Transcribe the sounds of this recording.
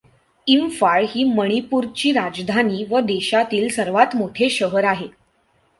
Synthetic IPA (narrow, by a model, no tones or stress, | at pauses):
imfaɭɦiːməɽ̃ipuːɾt͡ɕiːɾad͡zd̪ʱaniːʋəd̪eɕat̪iːlsəɾʋat̪moʈʰeɕəɦəɾaɦe